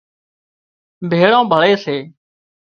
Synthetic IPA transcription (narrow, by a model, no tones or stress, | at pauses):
bʱeːɭãːbʱəɭeːseː